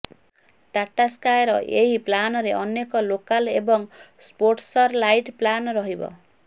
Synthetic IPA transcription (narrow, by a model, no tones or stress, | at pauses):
t̪aʈːaskajɾɔʔeɦiplanɔɾeʔɔnjekɔlokalebɔŋspoɾʈsɔɾlajʈplanɾɔɦibɔ̰